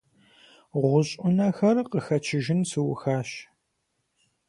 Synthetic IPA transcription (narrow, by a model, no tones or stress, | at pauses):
ʁʷʊɕʼʊnɐxɐrqəxɐt͡ʃʰɪʒɪnsɨwʊxaːɕ